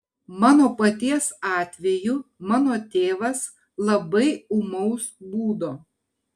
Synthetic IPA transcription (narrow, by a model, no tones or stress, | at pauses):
mɑːnoːpɐt̪ʲiɛsɑːt̪ʲʋʲɛjumɑːnoːt̪ʲeːʋɐs | lˠɐbɐɪʊmɐʊsbuːd̪oː